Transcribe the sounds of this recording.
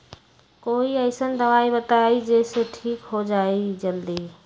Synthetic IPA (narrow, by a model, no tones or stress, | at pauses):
koiəɪsənd̪əʋaibət̪aid͡ʒeseʈʰikɦod͡ʒaid͡ʒəld̪i